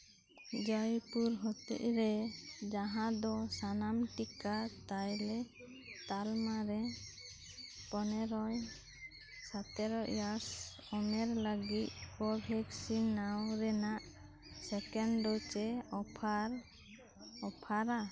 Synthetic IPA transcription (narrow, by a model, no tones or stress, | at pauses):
d͡ʒajpuɾɦɔt̪ḭʔɾɛd͡ʒaɦãd̪ɔsanamʈikat̪ajlɛ | t̪almaɾɛ | pɔnɛɾɔj | sat̪ɛɾɔʔjas | ɔmɛɾləɡit̪̚kɔbʱɛksinːawɾɛnaʔ | sɛkɛɳɖɔt͡ʃɛɔpʰaɾ | ɔpʰaɾa